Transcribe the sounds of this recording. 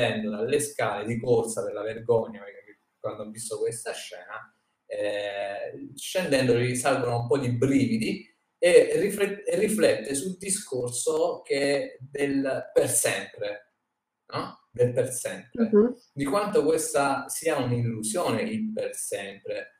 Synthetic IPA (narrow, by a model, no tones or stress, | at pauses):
ɛnd̪olalːeskaːled̪ikorsaperlaverɡɔɲːamɛkak | kːwand̪oɔvːist̪okwest̪aʃːɛːna | ɛ | ʃːend̪ɛnd̪olisalvonoumpɔd̪ibɾiːvid̪i | erːifɛrːiflɛt̪ːesuld̪iskorsok̟ed̪elpersɛmpɾe | nɔ | d̪elpersɛmpɾe | d̪ikwant̪okwest̪asiːaunillusjoːneimpersɛmpɾe